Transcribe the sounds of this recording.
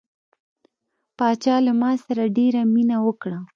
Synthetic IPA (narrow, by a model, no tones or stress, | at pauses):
pɑt͡ʃɑlamɑsaɾaɖeɾaminawəkɽa